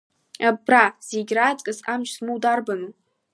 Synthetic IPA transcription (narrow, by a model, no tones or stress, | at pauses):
abraz̥eɡʲrat͡sʼkʼɨsamt͡ʃsmɨwdarbanu